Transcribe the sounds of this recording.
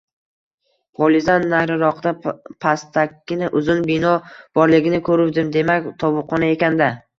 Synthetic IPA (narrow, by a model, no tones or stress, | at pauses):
pʰɒlɪzanːajɾɪɾɒqd̪apʰast̪ʰakʲːɪnɪʔʊzʊnbɪnɒb̥ɒɾlɪɡʲɪnɪkʰɵɾɪwd̪ɪmd̪e̞makʲt̪ʰɒvʊqʰɒnae̞kʲand̪a